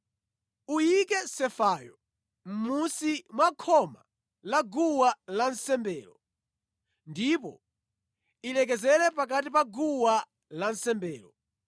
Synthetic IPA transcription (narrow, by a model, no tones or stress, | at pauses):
ujikɛsɛfaːjɔ | m̩musimwakʰɔma | laɡuwalan̩sɛmbɛːlɔ | ndipɔ̰ | ilɛk̬ɛzɛlɛpak̬at̬ipaɡuwa | lan̩sɛmbɛːlɔ